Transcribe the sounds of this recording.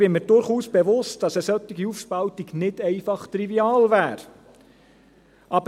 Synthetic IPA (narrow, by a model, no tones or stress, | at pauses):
b̥ɪməɾdʊɾχuːsb̥ɛʋʊst̚d̥ɑsəsœt̪ːiɡiufʃpɑltiɡnɪdɛɪfɑχt̪ɾiviɑːlvæːɾ | ʔɑb